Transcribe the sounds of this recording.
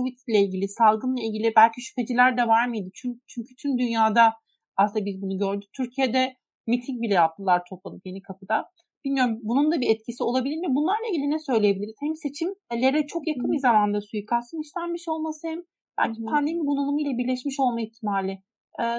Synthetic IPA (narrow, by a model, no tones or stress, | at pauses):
kʰovit̪ʰilʲɛilʲɟʲilʲisalˠɡɯnlˠailʲɟilʲibælʲciʃy̥pʰe̞d͡ʒilʲæɾd̪ɛvaɾmɯjd̪ɯt͡ʃʰynt͡ʃʰyɲcʰyt̪ʰymd̪ynjaːd̪a | asɯnd̪abizbunuɟø̞ɾd̪yc̚t̪ʰyɾcʰijed̪ɛ | mit̪ʰiŋcbilʲɛjap̚t̪ʰɯlˠaɾt̪ʰo̞pʰˠalˠɯpje̞nikʰapʰɯd̪a | b̥ilʲmijo̞ɾumbunund̪abiɛt̪̚cʰisio̞lˠabilʲiɾnvɛbunlˠaɾlˠailʲɟilʲinɛsø̞jlʲejebilʲiɾizhɛmmse̞t͡ʃʰimlʲe̞ɾɛt͡ʃʰo̞kjakʰɯnbizamand̪asujɯkʰaɾsɯniʃlʲænmiʃo̞lˠmasɯhɛm | b̥æ̰lʲcʰipʰand̪e̞miɡunulˠumuilʲˠabiɾlʲɛʃmiʃo̞lˠmajiçt̪ʰimaːlʲɪ